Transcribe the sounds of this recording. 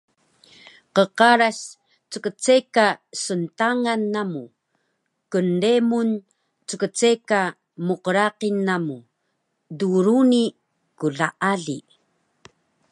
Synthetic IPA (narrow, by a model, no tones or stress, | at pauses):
qəqaɾaɕ | t͡səkət͡sekasəntaŋanːamu | kəndemun | t͡səkət͡seka | muqəɾaqinːamu | duɾuni | kuɮaʔaɮi